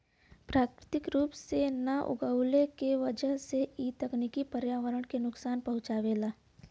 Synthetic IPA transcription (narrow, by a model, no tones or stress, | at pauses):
pɾaːkɾɪt̪ɪkɾuːpsenaʔʊ̰ɡaːwlekeʋəd͡ʒəɦseit̪əkniːkipəɾjaːʋəɾəɽ̃kenʊksaːnpɐɦʊ̃t͡ʃaːʋeːlaː